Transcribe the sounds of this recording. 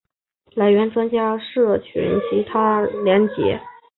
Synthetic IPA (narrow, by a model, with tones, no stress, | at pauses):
la˧˥ɪɥɛ˧˥nʈ͡ʂwa˥nt͡ɕja˥ʂɤ˥˩t͡ɕʰy̰˧˥nt͡ɕʰi˧˥t̪ʰa˥ljɛ˧˥nt͡ɕjɛ̰˧˥